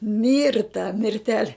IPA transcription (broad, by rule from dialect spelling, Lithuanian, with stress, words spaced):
ˈmʲɪrtɐ mʲɪrʲˈtʲæːlʲɛ